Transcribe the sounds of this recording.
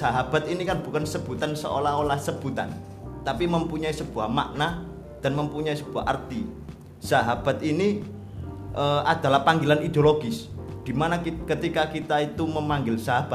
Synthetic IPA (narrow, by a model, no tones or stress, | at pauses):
saɦab̥at̪̚inikanb̥ukansəb̥ut̪ansə̰o̰laɦolahsəb̥ut̪a̰n | t̪apiməmpuɲaisəb̥uahma̰ʔna | d̥anməmpuɲaisəb̥ua̰ɦʔa̰rt̪i | saɦab̥a̤t̪̚ini | ʔəad̥̪alahpaŋɡɪlanid̪eoloɡɪsd̪̥imanakət̪ikakit̪ait̪uməmaŋɡɪlsaɦab̥at̪̚